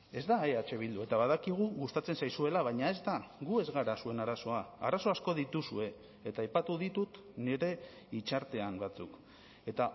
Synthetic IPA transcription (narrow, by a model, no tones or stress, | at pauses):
e̞zd̪aeat͡ʃe̞β̞ild̪ue̞t̪aβaðakiɣ̞uɣust̪at͡se̞nsajsue̞laβajɲae̞zd̪aɣue̞zɣaɾasue̞naɾaso̞aa̰ɾaso̞asko̞ðit̪usue̞ː | t̪aːjpat̪uðit̪ut̪ | neɾe̞ | it͡ʃaɾt̪e̞ambat͡suk | e̞t̪a